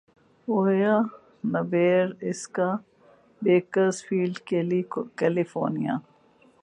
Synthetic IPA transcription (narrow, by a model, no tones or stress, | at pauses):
oːja | nɐʋeːɾɪska | beːkəzfiːlɖkelikɛlifo̰ːnija̰